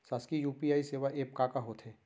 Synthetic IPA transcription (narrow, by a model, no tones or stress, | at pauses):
saːskijuːpiaːiseːʋaʔeːpkaːkaɦoːt̪ʰɦeː